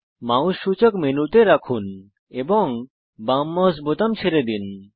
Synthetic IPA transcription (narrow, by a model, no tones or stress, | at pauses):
maw̃ʃːut͡ɕokmenut̪eɾakʰun | eboŋ | bamːɔsbot̪amt͡ɕʰeɾed̪in